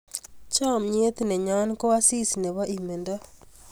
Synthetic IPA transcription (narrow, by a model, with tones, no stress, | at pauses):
t͡ʃɔ˦˨mɲe˦t̪i˨ne˨ɲɔ˦nko˦a˦si˦si˨ne˨wa˦ʔi˨me˨ndɔ˦